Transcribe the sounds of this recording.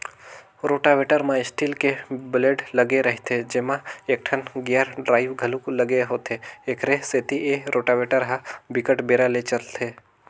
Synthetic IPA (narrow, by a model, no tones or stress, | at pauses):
ɾoːʈaʋeːʈəɾmãɪsʈiːlkebɪleːɖlɐɡeɾəɦt̪ʰed͡ʒemãek̚ʈʰənɡejəɾɖɾaːɪʋɡʱəluklɐɡeɦoːt̪ʰeːkʰɾeset̪ieɾʔoːʈaʋeːʈəɾɦabɪkəʈbeːɾalet͡ʃəlt̪ʰeː